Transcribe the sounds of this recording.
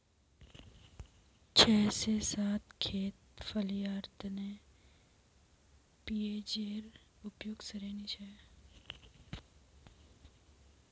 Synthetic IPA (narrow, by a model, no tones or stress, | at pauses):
t͡ʃʰɛːsesaːt̪kʰeːt̪fəljaːɾt̪ne | piːeːd͡ʒeːɾ | ʊpjoːɡsəɾeːnit͡ʃʰɛː